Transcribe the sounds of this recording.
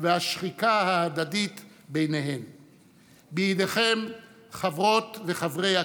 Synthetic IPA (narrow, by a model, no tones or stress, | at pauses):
vehaʃχikahaːd̪ad̪it̪ | bejnehe̞m | bijid̪eχem | χavʁo̞t̪veχavʁeja